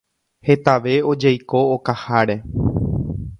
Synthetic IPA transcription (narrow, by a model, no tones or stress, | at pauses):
he̞t̪aʋe̞o̞d͡ʒajko̞ːkahaɾe̞